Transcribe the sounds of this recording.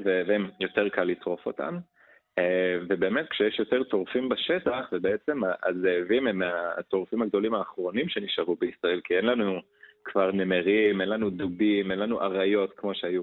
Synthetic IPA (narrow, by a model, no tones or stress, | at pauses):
vevemjo̞te̞ʁkalːit̪ʁo̞fo̞t̪a̰m | evebe̞ːmet̪̚kʃejeʃjo̞teʁt̪o̞ʁfimbaʃe̞taχvebeet͡se̞maʔa̰zeːvimema̰t̪o̞ʁfimaɡd̪o̞limaːχʁo̞nimʃe̞niʃaʁubeisʁae̞lkie̞nlanu | kvaʁnemeʁime̞nlanud̪uɡimenlanuʔaʁajo̞tkmo̞ʃeaju